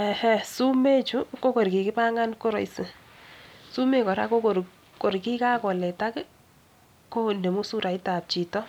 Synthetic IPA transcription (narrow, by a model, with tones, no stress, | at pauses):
ɛ˨hɛ˦su˦me˦t͡ʃu˦ko˦ko˨ɾki˨kɪ˦pa˦ŋa˦nko˦ɾɔ˨isɪ˨ | su˦me˦kɔ˨ɾa̰˦ko˦ko˨ɾ | ko˨ɾki˦ka˦kɔ˨lɛ˨ta˦kɪ˦ | ko˦nde˨mo˦su˦ɾa˨i˦ta˨p̚t͡ʃi˨tɔ˦